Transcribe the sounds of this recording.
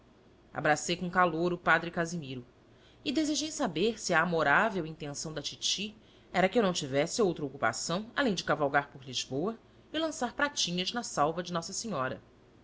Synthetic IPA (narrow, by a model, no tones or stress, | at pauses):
a̰bɾasejkõkaloɾʊpad̪ɾɪkazimiɾʊ | ɪd̪ezeʒejsabeɾsiɐːmoɾavewĩnt̪ẽsɐ̃w̃d̪ɐt͡ʃit͡ʃi | ɛɾɐkɪewnɐ̃w̃t͡ʃivɛsɪowt̪ɾɐokupa̰sɐ̃w̃alẽj̃d͡ʒɪkavawɡaɾpʊɾliʒbowɐ | ɪlɐ̃saɾpɾat͡ʃĩɲɐʒnɐsawvɐd͡ʒɪnɔsɐsiɲɔɾɐ̰